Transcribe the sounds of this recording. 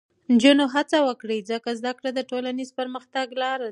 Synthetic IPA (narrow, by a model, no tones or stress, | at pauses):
nd͡ʒunoɦat͡sawəkɽizəkazd̪akɽad̪əʈolanizpəɾməxt̪aɡlɑɾa